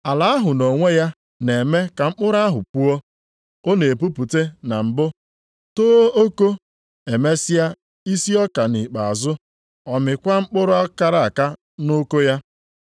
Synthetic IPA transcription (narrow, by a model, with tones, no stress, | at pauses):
a˨la˨a˦ɦʊ˨no˨ŋʷe˦ja˦ | ne˨me˦ka˨ŋ͡m̩˦k͡pʊ˦ɾʊ˦a˦ɦʊ̰˨pu˦ɔ˦ | o˦ne˨pu˦pu˨te˦na˨m̩˨bʊ˦ | toː˦o˦ko˦ | e˨me˦sɪ˦ja˦ | i˦si˦ɔ˦ka˨ni˨k͡pa˨a˨zʊ˦ | ɔ˨mɪ˨kʷa˦ŋ͡m̩˦k͡pʊ˦ɾʊ˦a˦ka˨ɾa˨a˨ka˦ | no˦ko˦ja˦